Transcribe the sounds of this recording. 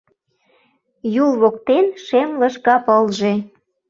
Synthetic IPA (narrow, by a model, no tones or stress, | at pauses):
julβok̚t̪enʃemləʃkɑpəlʒe̽